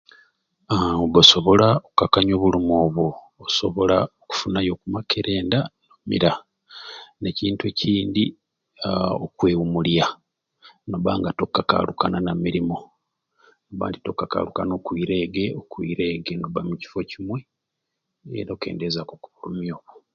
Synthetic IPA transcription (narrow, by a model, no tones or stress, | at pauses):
βoso̞βo̞laokukakaɲo̞ːβulumoːβoː | so̞βo̞laoku̥funajo̞kumakeɾe̞ːndanomḭɾa | ne̞ciːntueciːndi | okwe̞ːwumulja | no̞βaːŋɡato̞kːaka̰lukananamiɾimo̞ | noβa̰ːndito̞kːaka̰lukano̞kwiːɾe̞ːɡe̞okwḭɾe̞ːɡe̞noβa̰muci̥fo̞cimwe̞ | ḛɾoke̞̰ːndezakokuβulumjo̞ːβo